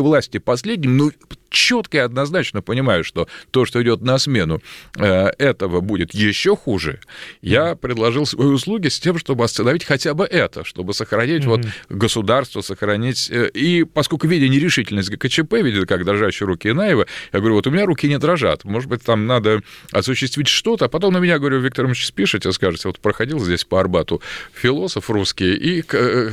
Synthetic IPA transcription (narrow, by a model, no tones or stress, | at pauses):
vlˠasʲtʲɪpɐsʲlʲedʲnʲɪmnot͡ɕːo̞t̪kəɪɐd̪nɐznat͡ɕnəpənʲɪmajʊʂt̪o̞t̪o̞ʂt̪oɪdʲo̞t̪̚nɐsmʲe̞nʊəɛt̪əvəbudʲɪt̪jɪɕːo̞xuʐɨ̰japɾʲɪd̪lˠɐʐɨlˠsvɐjiʊslˠuɡʲɪsʲtʲe̞mʂt̪o̞bɨɐst̪ənɐvʲitʲxɐtʲabɨʔɛt̪əʂt̪o̞bɨsəxɾɐnʲitʲvo̞t̪ɡəsʊd̪arst̪vəsəxɾɐnʲitʲipɐsko̞lʲkʊvʲidʲɪnʲɪɾʲɪʂɨtʲɪlʲnəsʲtʲɡəkət͡ɕɪpɛvʲidʲɪt̪kaɡd̪ɾɐʐaɕːɪjɾukʲɪɪnajɪvəjaɡəvɐɾʲuot̪ʊmʲɪnʲaɾukʲɪnʲɪd̪ɾɐʐa̰t̪mo̞ʐɨd̪bɨt̚ʲt̪amnad̪əɐsʊɕːɪst̪vʲitʲʂt̪o̞t̪əːpɐt̪o̞mnəmʲɪnʲaɡəvɐɾʲuvʲikt̪əɾmɪt͡ɕspʲiʂɨt̪ʲɪskaʐɨt̪ʲvot̪pɾəxɐdʲilˠzʲdʲesʲpəɐrbat̪ʊfʲɪlˠo̞səfruskʲɪjʔik